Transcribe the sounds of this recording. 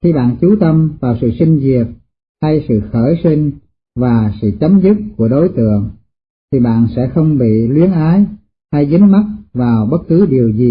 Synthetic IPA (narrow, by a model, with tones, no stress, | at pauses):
xi˧ɓa̰ː˧˨nt͡ɕu˨˦t̪ə˧mvaː˨˩wsɨ̰˧˨sï˧ŋ̟zi˨˩ət̚ | ha˧jsɨ̰˧˨xəː˧˩jsï˧ŋ̟ | vaː˨˩sɨ̰˧˨t͡ɕə˨˦mzɨ˦˥t̚ku˧˩əɗo˨˦jt̪ɨ̰˧˨əŋ | t̪ʰi˨˩ɓa̰ː˧˨nsɛ̰˧˥xə˧wŋ͡mɓḭ˧˨lwi˨˦ənʔaː˨˦j | ha˧jzɨ˨˦ŋma˦˥t̚vaː˨˩wɓə˦˥t̚kɨ˨˦ɗi˨˩əwzi˨˩